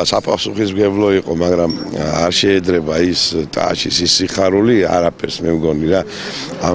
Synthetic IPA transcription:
sapʼasuχismɡɛblˠɔiqʼɔmaɡɾamaɾʃɛːd̪ɾɛbaist̪ʼa̰ʃisisiχaɾulia̰ɾapʰɛɾsmɛmɡɔniɾa | a

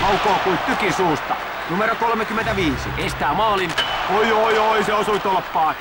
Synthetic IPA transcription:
ɑukoːkuit̪t̪ykisuːst̪ɑ | numeɾokolmekymːent̪æʋiːsḭest̪æːmɑːlinoioioiseosuit̪olpːɑː

